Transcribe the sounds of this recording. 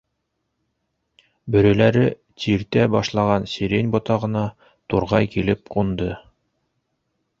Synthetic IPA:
bɵ̆ɾɵ̆læɾɘ | t̪ʰiɾt̪æbɑʃlˠɑʁɑnsʲiɾʲenʲbot̪ɑʁɤ̆nɑ | t̪uɾʁɑjkilɘp̚qund̪ɤ

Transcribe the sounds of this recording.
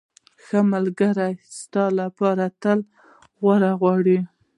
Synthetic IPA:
xəmalɡaɾajst̪ɑlapɑɾat̪əl | ɣwaɾaɣwɑɽi

